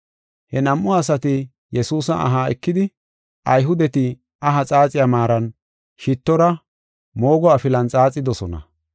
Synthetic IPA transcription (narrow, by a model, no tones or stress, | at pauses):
hɛnɐmʔʊɐs̬ɐt̪ɪ | jɛsuːsɐʔɐ̰ɦaːɛkːɪd̪ɪ | ʔɐjɦʊd̪ɛt̪ɪ | ɐɦɐt͡sʼaːt͡sʼɪjamaːɾɐn | ʃɪt̪ːɔɾɐ | mo̞ːɡɔɐfɪlɐnt͡sʼaːt͡sʼːɪd̪ɔsɔnɐ̰